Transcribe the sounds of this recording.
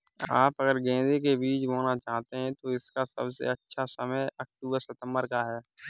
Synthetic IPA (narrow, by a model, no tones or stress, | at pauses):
aːpəɡəɾɡẽːd̪ekebiːt͡ʃmoːnat͡ʃaːɦt̪eɦɛ̃t̪oɪskasə̰bsḛətːʃʰasəməjək̚ʈuːbəɾsɪt̪ə̃mbəɾkaɦɛː